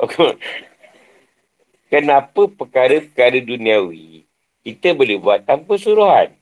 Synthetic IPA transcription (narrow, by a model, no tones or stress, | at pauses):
ok | kənãpəpəkaɾəpəkaɾədunĩawi | kit̪əbolehbuat̪ːampəsuɾuɦan